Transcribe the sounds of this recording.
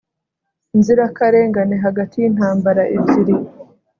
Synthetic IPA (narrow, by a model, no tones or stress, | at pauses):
inziɾakaɾe̞ːŋɡaneɦaɡatʰijin̥haːmbaɾaʔibiɾi